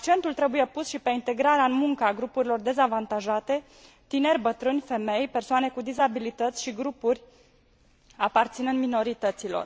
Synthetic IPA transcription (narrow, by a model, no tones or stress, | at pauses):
ak̚t͡ʃe̞nt̪ult̪ɾe̞buje̞pusʃipe̞int̪e̞ɡɾaɾeaɨnmuŋkəaɡɾupuɾilo̞rd̪e̞zavant̪aʒat̪e̞ | t̪ine̞rʲbət̪ɾɨnʲfe̞me̞jpe̞rsoane̞kud̪izabilit̪ət̪sʲʃiɡɾupurʲ | apart̪sinɨnmino̞ɾit̪ət̪silo̞̰r